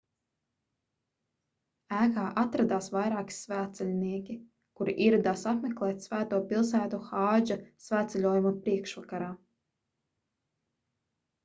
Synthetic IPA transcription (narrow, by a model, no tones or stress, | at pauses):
æːkaːʔat̪ɾad̪aːsvajɾaːki̥svæːt̪sɛlʲniɛkʲi | kuɾḭʔiɾad̪aːsapmʲɛklˠɛːt̪ʲsvæːt̪uɔpilˠsæːt̪uxaːd͡ʒasvæːt̪sɛlʲuɔjumapɾiɛkʃvakaɾaː